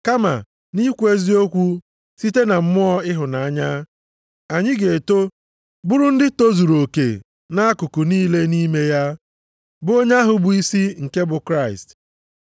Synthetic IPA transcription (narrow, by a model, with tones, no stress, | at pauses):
ka˦ma̰˨ | ni˦kʷe˦zi˦o˦kʷu˦ | si˦te˦na˨m̩˦mʊ˦ɔ˦ɪ˦ɦʊ˨na˨a˦ɲa˦ | a˨ɲɪ˦ɡe˨to˦ | bʊ˦ɾʊ˦n̩˦dɪ˦to˦zu˨ɾo˨kḛ˨ | na˦a˦kʊ˨kʊ˨niː˦le˦ni˦me˦ja˦ | bʊ˦o˦ɲe˦ɦʊ˨bʊ˨i˦si˦ŋ̩˨ke˦bʊ˨kɾa˦ɪ̰˨st